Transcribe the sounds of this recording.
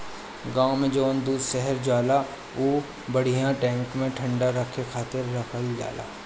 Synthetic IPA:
ɡãːõmẽd͡ʒoːnd̪uːd̪ʃɛɦəɾd͡ʒaːla | oː | bɐɽ̤ijãʈɛ̃ːŋkmẽʈʰə̃ɳɖaɾəkʰːekʰaːt̪ɪɾːɐkʰəlɖa̰ːla̰ː

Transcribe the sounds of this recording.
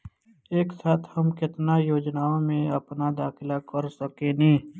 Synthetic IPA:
eːksaːt̪ʰhɐmkɪt̪najoːd͡ʒnaːõmẽɐpnad̪aːkʰɪlakəɾsəkenĩː

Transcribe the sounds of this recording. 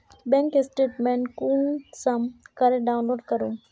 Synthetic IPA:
bɛ̃ːŋkɪsʈeːʈmẽɳʈkũːnsɐmkɐɾeɖaːʊ̃nloːɾɖkɐɾũː

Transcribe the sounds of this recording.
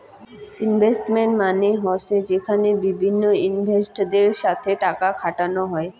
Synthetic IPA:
inbʱesʈmeɳʈmaneɦɔsed͡ʑekʰanebibʱinːoinbʱesʈd̪eɾʃat̪ʰeʈakakʰaʈanoɦɔe

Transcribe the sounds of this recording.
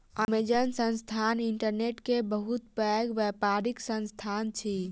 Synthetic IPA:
əmed͡ʒənsə̃nst̪ʰaniɳʈəɾneʈkebəɦut̪pəɡʋɛpaɾiksə̃nst̪ʰant͡ʃʰi

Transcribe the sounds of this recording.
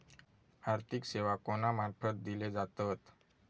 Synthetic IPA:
aɾt̪ʰikseʋakonamaɾfət̪̚d̪iled͡zat̪ət̪

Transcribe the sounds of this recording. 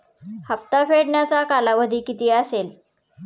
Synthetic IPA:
hap̚t̪afeɽɳjat͡sakalaʋəd̪ʱiːkit̪iːasel

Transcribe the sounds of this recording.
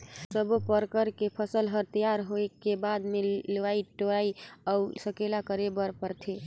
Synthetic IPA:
səbopəɾkəɾkepʰəsəlɦəɾt̪əjaɾɦoekebad̪meləʋaiʈoaiausəkelakəɾebəɾpəɾt̪ʰe

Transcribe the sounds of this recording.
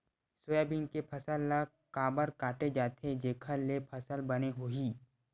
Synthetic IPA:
soːjabinkepʰɐsəlːa | kaːbəɾkaːʈed͡ʒaːt̪ʰed͡ʒeːkʰəlepʰɐsəlbɐneɦoːɦiː

